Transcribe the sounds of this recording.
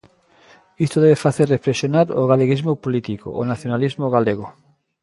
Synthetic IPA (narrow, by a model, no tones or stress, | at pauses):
ist̪oðɛβefaθereflesjonaɾo̰ɣaleɣizmopolit̪iko̰ʔo̰naθjonalizmoɣaleɣo